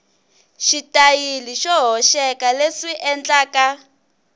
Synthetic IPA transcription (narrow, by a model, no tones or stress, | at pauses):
ʃitajiliʃɔɦɔʃɛkaleʂiʔɛnd͡ɮaːka